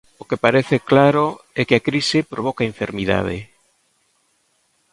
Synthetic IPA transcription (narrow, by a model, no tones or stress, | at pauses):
okepaɾeθeklaɾoɛkɪakɾisɪpɾoβ̞ɔkaeɱfeɾmiða̰ð̞ḛ